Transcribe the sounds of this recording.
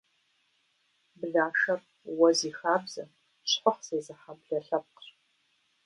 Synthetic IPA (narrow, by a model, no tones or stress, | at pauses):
bɨɮaːʃɐr | wɐziːxaːbzɐ̰ | ɕħʷɔχz̥eːzɐħabɮɐɬɐp̚q